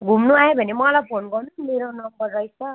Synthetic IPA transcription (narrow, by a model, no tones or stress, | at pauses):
ɡʱumnuajebʱʌnemʌlajpʰonɡʌrnumeɾonʌmbʌrːʌjsʌ